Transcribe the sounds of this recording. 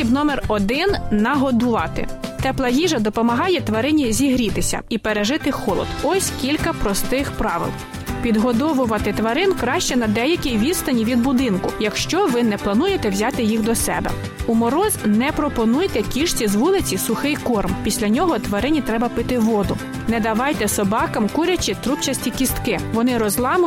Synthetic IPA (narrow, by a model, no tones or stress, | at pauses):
ibnɔmɛrɔd̪ɪnːɐɦɔd̪ʊʋɑt̪ɪ̰t̪ɛplˠɐjiʒɐd̪ɔpɔmɐɦɑjɛt̪ʋɐɾɪnʲizʲiɦɾʲit̪ɪsʲɐ̰ipeɾeʒɪt̪ɪxɔlˠɔ̰d̪ɔsʲkʲilʲkɐpɾɔst̪ɪxpɾɑʋɪ̰lˠ | pʲid̪ɦɔd̪ɔʋʊʋɐt̪ɪt̪ʋɐɾɪnkɾɑʃt͡ʃɛnɐd̪ɛjɐkʲijʋʲid̪st̪ɐnʲiʋʲid̪̚bʊd̪ɪnkʊjɐkʃt͡ʃɔʋɪnɛplˠɐnujet̪ɛwzʲɑt̪ɪjixd̪ɔsɛ̰bɛ̰ | umɔɾɔznɛpɾɔpɔnujt̪ɛkʲiʃt͡sʲizʋulˠɪt͡sʲisʊxɪjkɔrmpʲisʲlʲɐnʲɔɦɔt̪ʋɐɾɪnʲit̪ɾɛbɐpɪt̪ɪʋɔd̪ʊ | nɛd̪ɐʋɑjt̪ɛsɔbɑkɐmkuɾʲɐt͡ʃɪt̪ɾupt͡ʃɐsʲtʲikʲist̪kɪʋɔnɪɾɔzlˠɑmʊ